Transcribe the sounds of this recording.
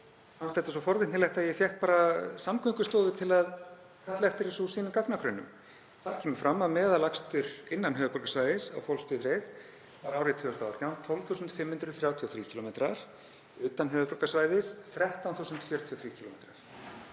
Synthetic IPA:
fanst̪ɛht̪asɔfɔɾvɪh̪nɪlɛht̪ajɛfjɛht̪̚paːɾasamkʰʏŋkʏst̪ɔːðʏt̪ʰɪlað | kʰat̪lɛft̪ɪɾɪsusiːnʏmkaknakʰɾœnːʏ̰m | θaɾ̥kcʰɛːmʏ̥fɾamːaðmɛːðalakst̪ʏɾɪnːanɦœːvʏpɾɔɾkasvaːjðɪsa̰wfɔwlspɪfɾejð | vaɾaːwɾɪt̪ʰvʏːɔst̪at̪jawnt̪ʰɔlv̥θuːsʏnt̪fɪmhʏnt̪ɾʏθɾjaːwt̪ʰiɔθɾiːcʰilɔmejt̪ɾaɾ̥ | ʏːt̪anɦœːvʏpɾɔkasvaːjðɪsθɾɛht̪awnθuːsʏnt̪fjœɾt̪ʰiɔθɾiːcʰilɔmejt̪ɾaɾ̥

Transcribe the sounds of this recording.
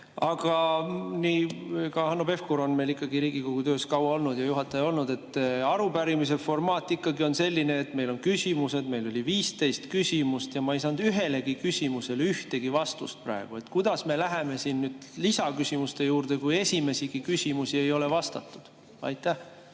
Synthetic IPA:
ɑɡ̥ɑniːkɑhɑnːobe̞fkoɾo̞nme̞jlikːˑɑɡiɾiːɡ̥ikoɡ̥ut̪ø̞ːskɑwɑo̞lnud̪̥jɑjuɦɑt̪ːˑɑjo̞lnud̪̥e̞t̪ˑːɑɾubæɾimis̬e̞fo̞rmɑːt̪ːˑikːˑɑɡio̞nse̞lʲːine̞ːt̪ːme̞jlo̞nkysʲimuse̞d̪̥me̞jlo̞lʲiviːst̪e̞jst̪kysʲimust̪jɑmɑejs̬ɑnd̪̥yɦe̞le̞ɡikysʲimuse̞lyht̪e̞ɡ̥ivɑst̪ṵst̪̚prɑ̰eɡ̥ue̞t̪kujd̪̥ɑsme̞læɦe̞me̞sinːyːd̪̥lisɑkysʲimust̪e̞juːrd̪̥e̞kuje̞sʲime̞siɡ̥ikysimusie̞jo̞le̞vɑst̪ɑ̰t̪ːˑud̪̥ | ɑ̰jt̪ːæh

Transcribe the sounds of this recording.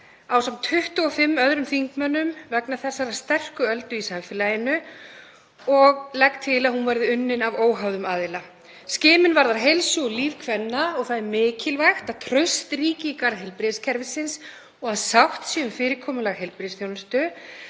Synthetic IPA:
awsamnt̪ʰʏht̪ʏɔfɪmːœðɾʏmθiŋkmœnːʏmvɛknaθɛsːaɾaðst̪ɛr̥kʏœlt̪ʏisamfɪlajɪnʏ | ɔɣlɛkt̪ʰɪlaðhunvajɾðɪʏnːɪnavoːwɦavðʏmaːðɪla | scɪːmɪnvaɾðaɾɦejlsʏɔliːvkʰvɛnːaɔɣθaðmɪːcɪlvajxt̪aðt̪ʰɾœɥst̪riːcɪikaɾðɦɛlpɾɪðscʰɛɾvɪsɪns | ɔɣaðsawht̪siʏmfɪːɾɪɾkʰɔːmʏlaɣɦejlpɾɪsθjownʏst̪ʏ

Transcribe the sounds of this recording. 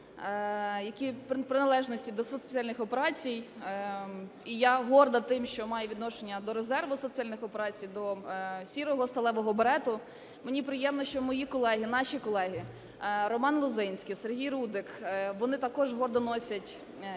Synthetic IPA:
jɐkʲippɾɪnɐlˠɛʒnɔsʲtʲid̪ɔsɔspe̥t͡sʲialʲnɪxɔpeɾɑt͡sʲij | ijaɦɔrd̪ɐt̪ɪmʃt͡ʃɔmɑjeʋʲid̪nɔʃenʲːɐd̪ɔɾezɛrʋʊsɔt̪sɨjalʲnɪxɔpeɾɑt͡sʲijd̪ɔsʲiɾɔɦɔst̪ɐlˠɛʋɔɦɔbeɾɛt̪ʊ | menʲipɾɪjɛmnɔʃt͡ʃɔmɔjikɔlˠɛɦɪnɑʃʲikɔlˠɛɦɪ | ɾɔmɑnlˠʊzɪnʲsʲkijserɦʲijrud̪ɪkʋɔnɪt̪ɐkɔʒɦɔrd̪ɔnɔsʲɐtʲ

